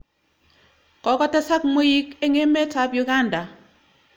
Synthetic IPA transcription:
kɔ˨˦kɔ˦ta˦sa˦k̚mo˦ji˦ke˦ŋe˦me˦ta˨˦pjʊ˨ɡa˦˨nda˨

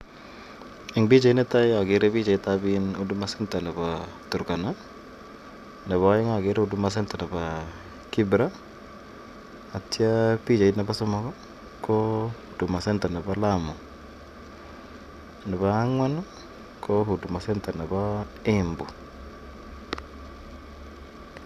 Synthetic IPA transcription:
ɪ˨ŋbi˦t͡ʃa˨i˦ne˦ta˦ja˨ɡe˦ɾe˦βi˦t͡ʃa˨i˦tabino˦du˦ma˦senta˨na˨βatu˨ɾka˨na˦ | na˨βa˨˦ɪ˦ŋa˨ɡe˦ɾe˦o˦du˦ma˦s̬e˦nta˨na˨ba | ki˦bɾa˦˨ | tja˦pi˦t͡ʃa˨ina˦ba˦soma˦kɔ˦ | ko | du˨ma˨se˦nta˨na˨balamo˨ | na˨βaː˨˦ŋwa˦n | kʰohu˨du˨ma˨se˦nta˨na˨baembu˨

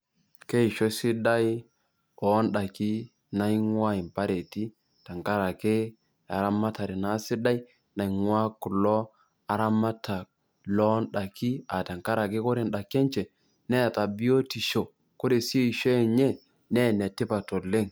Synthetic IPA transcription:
ke˦i˨ʃo˦si˦da˦j | ɔ˨˦nɗa˨ki˦ | na˦jŋwa˦i˨mpa˦ɾe˨ti˦ | ta˨ŋka˦ɾa˨ke˦ | a˨ɾa˦ma˦ta˨ɾi˨na˨˦si˦da˦i˦ | na˨i˨ŋwa˦ku˨lɔ˦ | a˨ɾa˦ma˦ta˨k̚ | lɔ˦nɗa˨ki˦a˨ta˨ŋka˦ɾa˨ke˦ko˦ɾe˨nɗa˨ke˦nt͡ʃɛ˨ | nɛ˦˨ta˨bi˦o˦ti˨ʃo˨ | ko˦ɾe˨si˦e˦i˨ʃo˦ɛ˨ɲe˦ | nɛ˦˨ne˨ti˦pa˨to˨le˦ŋ

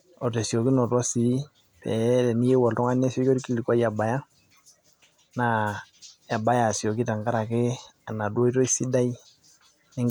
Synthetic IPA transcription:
ɔ˨te˨si˨o˨ki˦nɔ˨twɔ˦si˨˦ | pɛ̰˨˦tɛ˨ni˦je˦wɔ˨ltɔ˦ŋa˦nɛ˦sɔ˦ko˦ɾi˦ki˦li˨kwa˦ja˨ba˨ja˦ | na˨ | e˨ba˦ja˨sjo˨ki˦ta˨ŋɡa˦ɾa˨kɪ˦a˨na˨dwo˦i˦tɔ˦i˦si˦da˦i˦ | nɪ˦ŋ

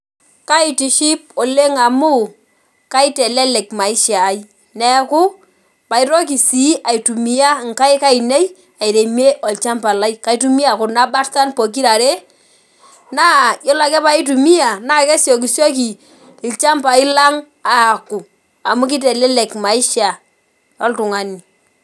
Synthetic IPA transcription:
ka˦i˨ti˨ʃi˦p̚ɔ˨le˦ŋa˨mu˦ | ka˦i˦tɛ˨lɛ˦lɛ˨kma˨ɪ˦ʃa˨i˦ | nɛ˨ku˦ | pa˨i˦ɾɔ˦k̬i˨si˨˦a˨i˨tu˨mi˨ja˦ŋ˨ka˦jka˦i˨nɛ˦j | a˨i˨ɾe˨mi˦e˦ʔɔ˨lt͡ʃa˦mpa˨la˦jka˦i˦tu˦mi˦a˨kʊ˨rna˦ba˦ɾsa˦npɔ˨k̬i˦ɾa˨ɾe˦ | naː˦jɔ˦la˨kɛ˦pa˨˦i˦t̬u˨mi˦a˨na˦kɛ˦sjɔ˨ki˨sjɔ˦ki˨ | ɪ˨lt͡ʃa˦mpa˨ɪ˦la˦ŋ | a˨ku˨ | a˨mu˦ki˦tɛ˨lɛ˦lɛ˨kma˨ɪ˦ʃa˨ | ɔ˦ltʊ˨ŋa˨ni˨

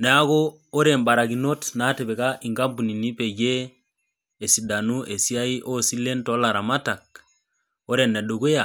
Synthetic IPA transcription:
nɛ˨a˦ɣoː˦ | ɾe˨mba˨ɾa˨ɡi˨no˦tna˦te˨be˨ka˦ʔi˨ŋɡa˦bu˨ni˨ni˦pe˨ɟe˦ | e˨si˨da˨nu˦ʔe˨si˦a˦i˦ʔo˦si˦le˦ntɔ˦la˨ɾa˨ma˦ta˨k̚ | o˦ɾe˨nːɛ˨ɗo˨ɡe˦ja˨

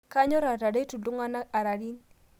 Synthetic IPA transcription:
ka˦ɲɔ˦ɾa˨ta˨de˦tu˨du˦ŋa˦na˦a˨ɾa˨ɾi˦n

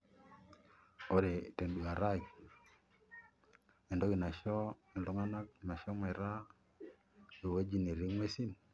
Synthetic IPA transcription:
o˦ɾe˨te˨ndu˨a˨ɾa˦k | ɛ˨ndɔ˦ki˨na˨ʃɔ˦i˨nlɔ˦ŋa˦na˦k̚ma˨ʃɔ˦ma˨ɾa˦ | o˨we˦d͡ʒi˦˨ne˨ɾi˦ŋwe˦si˦n

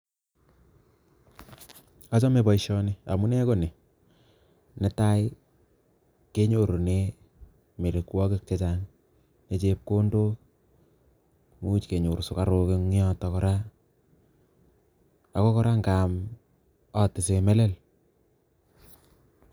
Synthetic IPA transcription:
a˦t͡ʃɔ˦me˨bɔ˨iʃɔ˦ni˦a̰˨mu˦nɛ˦ko˦ne˨ | nɛ˦ta˦j | ke˦ɲo˨ɾo˨ne˦ | me˨ɾe˨kwɔ˦ke˦k̚t͡ʃet͡ʃaŋ | ne˨t͡ʃep̚ko˦ndo˦ | mu˦t͡ʃke˨ɲo˨ɾsʊ˨ka˨ɾo˨ke˦ŋjɔ˦tɔ˨kɔ˦ɾa˦ | a˨kɔ˦kɔ˦ɾa˦ŋɡa˨m | ɔ˨tɪ˨se˨mɛ˦lɛ˦l

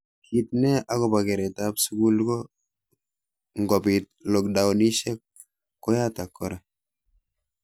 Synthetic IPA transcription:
ki˨tnɛ˦ʔa˦kɔ˨ba˨kɛ˨ɾɛta˦psu˦ɡu˦lko˦ | ŋɡɔ˨pi˨t̚lo˨k̚da˨wni˦ʃɛ˦k̚ː | ɔ˦ja˦ta˨kʰːɔ˦ɾa˨

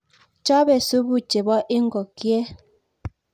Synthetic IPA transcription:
t͡ʃa˦bɛ˨su˦bu˦t͡ʃe˨bɔ˦ʔe˦ŋ˦ɡɔ˨kjɛ˦

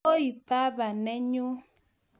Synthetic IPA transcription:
o˦i˨pa˦ba˨nɛ˦ɲu˦

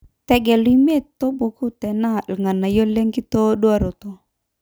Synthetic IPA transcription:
tɛ˦ɡɛ˨li˦me˦˨t̪o˦bo˨ku˦tɛ˨na˦˨lŋa˨na˨jɔ˦lɛ˦ŋɡi˦tɔ˦dwa˨ɾo˨t̪ɔ˦

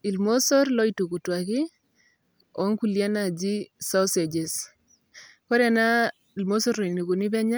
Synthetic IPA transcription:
i˨lmo˦sɔ˦ɾlɔ˦i˦tu˨ku˨twa˨kɪ˦ | ɔ˦ŋku˨lja˦na˨d͡ʒi˦sɔ˦se˨d͡ʒe˨s | ko˦ɾɛ˨na˦ | i˨lmo˦sɔ˦ɾlɔ˨i˨ni˨ku˨ni˦bɛ˦ɲa˦

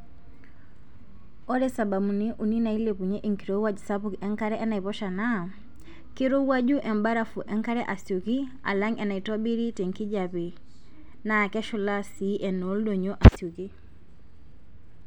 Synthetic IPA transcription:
ɔ˦ɾɛsa˨ba˨mu˨ni˦ʔu˨ni˦na˨i˦lepu˨ɲɛ˦ʔi˦ŋki˨ɾowa˦d͡ʒu˨sapu˦kɛ˦ŋka˦ɾɛ˦ʔɛ˦na˨i˨pɔ˦ʃa˨na | ki˦ɾo˦wa˦d͡ʒu˦ʔɛ˨mba˦ɾafu˨ʔɛ˦ŋka˦ɾɛ˦ʔa˨siu˨ki˦ | a̰˨la˦ŋɛ˨na˨i˨tɔ˦bi˦ɾi˦tɛ˨ŋki˦d͡ʒapi˨ | na˨kɛ˦ʃu˨la˦siʔɛ˨no˦ldɔ˨ɲo˦ʔa˨siu˨ki˦

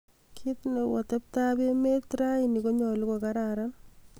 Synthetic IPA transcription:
kʰi˦tne˨wɔ˨te˦p̚ta˦be˦me˦tɾa˦ini˨ko˦ɲɔ˨lu˦ko˨ka˦ɾaɾa˦n

